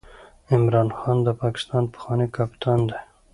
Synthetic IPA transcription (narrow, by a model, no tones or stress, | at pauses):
ɪmɾɑnxɑnd̪əpɑkɪ̥st̪ɑnpə̥xwɑnekapt̪ʰand̪e